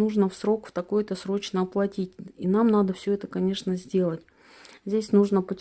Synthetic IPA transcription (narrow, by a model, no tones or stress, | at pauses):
uʐnəfsɾo̞kft̪ɐko̞jt̪əsɾo̞t͡ɕnəːplˠɐtʲitʲḭnamnad̪əfsʲɵɛt̪əkɐnʲe̞ʂnəzʲdʲe̞lˠətʲ | zʲdʲesʲnuʐnəpətʲ